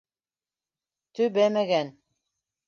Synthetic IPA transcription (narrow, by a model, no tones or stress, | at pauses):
t̪ɵbæmæɡæn